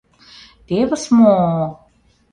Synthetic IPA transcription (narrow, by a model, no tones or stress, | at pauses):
t̪eβə̆smo